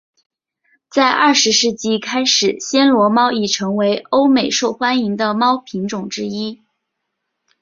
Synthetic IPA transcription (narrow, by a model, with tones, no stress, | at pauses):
t͡sa˥˧ɪʔɐ˥˩ʂɻ̩˧˥ʂɻ̩˥˩t͡ɕi˥˩kʰa˥ɪʂɻ̩˨˩ɕjɛ˥nlwɔ˧˥mɑ˥ʊi˨˩ʈ͡ʂʰɤ˧˥ŋwe˧˥ɪo˥ʊme˨˩ɪʂo˥˩ʊxwa˥ni˧˥ŋd̪ə˧mɑ˥ʊpʰi˧˥ŋʈ͡ʂʊ˨˩ŋʈ͡ʂɻ̩˥i˥